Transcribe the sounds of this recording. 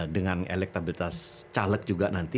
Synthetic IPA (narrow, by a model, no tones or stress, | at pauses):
dəŋanḛlɛk̚t̪abilit̪ast͡ʃalək̚d͡ʒuɡanant̪i